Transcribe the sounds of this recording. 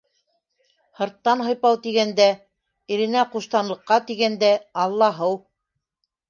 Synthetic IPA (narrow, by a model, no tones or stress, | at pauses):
hɤ̆ɾt̪ːɑnɦɤ̆jpɑwt̪iɡænd̪æ | iɾɘ̆næquʃt̪ɑnlˠɤ̆qːɑt̪iɡænd̪æɑlˠːɑɦɤw